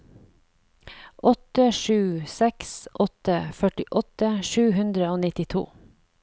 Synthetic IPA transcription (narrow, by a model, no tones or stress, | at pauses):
ʔɔt̪əʃʉːsɛksʔɔt̪əfœʈɪʔɔt̪əʃʉːhʉnd̪ɾəoːnɪt̪ɪt̪ʰṵː